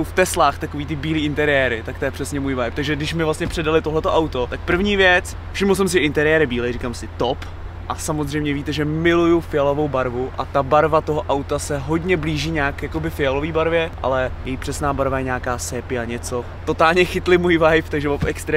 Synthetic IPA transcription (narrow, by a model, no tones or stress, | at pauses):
owft̪ɛslaːxt̪akoviːt̪ɪbiːliːɪnt̪ɛɾɪjɛːɾɪt̪akt̪ojɛpr̥ɛsɲɛmuːjvajpt̪aɡʒɛɡdɪʃmɪvlast̪ɲɛpr̥ɛdalɪt̪oɦlɛt̪oʔawt̪o̞t̪ak̚pr̩vɲiːvjɛt͡s | fʃɪmls̬ɛmsɪʔɪnt̪ɛɾɪjɛːɾɪbiːlɛjriːkamsɪt̪op | ʔasamozr̝ɛjmɲɛviːt̪ɛʒɛmɪlujufɪalo̞vo̞wbaɾvuʔa̰t̪abaɾvat̪oɦoʔawt̪asɛɦo̞dɲɛbliːʒiːɲaːkjako̞bɪfɪalo̞viːbaɾvjɛʔa̰lɛjɛjiːpr̥ɛsnaːbaɾvajɛɲaːkaːsɛːpɪaɲɛt͡so | t̪o̞t̪aːlɲɛxɪt̪lɪmuːjvajft̪aɡʒɛvofɛkst̪ɾɛ